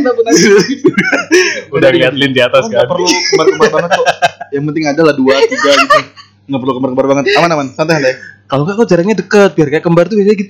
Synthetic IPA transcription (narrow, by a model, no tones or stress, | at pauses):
napuna | udahliɦat̪lɪndiat̪askaapərlukəmbarkəmbrbaŋət̪ːujaŋpənt̪ɪŋadalahduat̪iɡaɡit̪u | ŋɡapərlukəmbarkəmbarbaŋət̪̚amanamansant̪asant̪ajakalokakud͡ʒaɾaŋɲadəkət̪̚biarkajakəmbart̪ubiaaɡit̪u